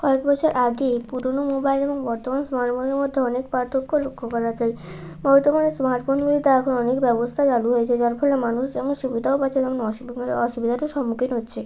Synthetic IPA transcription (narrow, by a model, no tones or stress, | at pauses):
kɔekbɔt͡ɕʰoɾʔaɡepuɾonomobajleboŋbɔɾt̪omansmaɾʈfoneɾmod̪ʱːeɔnekpaɾt̪ʰokːolokʰːokɔɾad͡ʑaj | bɔɾt̪omanesmaɾʈfonɡulit̪aɛkʰonɔnekbɛbost̪ʰad͡ʑaluɦojet͡ɕʰed͡ʑaɾfɔlemanuʃd͡ʑɛmonʃubid̪ʱaopat͡ɕʰed̪ɛmonɔʃuɔʃubid̪ʱaʈoʃɔmːukʰinɦotːɕʰe